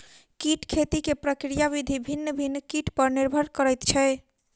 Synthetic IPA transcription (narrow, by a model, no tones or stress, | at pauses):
kiʈkʰet̪ikepɾəkɾijaβid̪ʱibʱinːəbʱinːkiʈpəɾniɾbʱəɾkəɾɛjt̪t͡ʃʰɛ